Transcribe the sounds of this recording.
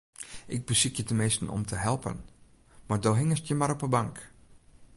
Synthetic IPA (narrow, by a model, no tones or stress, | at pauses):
ʔɪɡ̚bəsikjətənmɪstn̩ɔ̰mtʰəɦɛlˠpə̰n | mardoːɦɪŋəstjəmaɾɔpəbaŋk